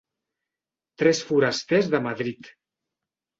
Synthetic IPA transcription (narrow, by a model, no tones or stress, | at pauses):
t̪ɾɛsfuɾəst̪ezðəməðɾit̪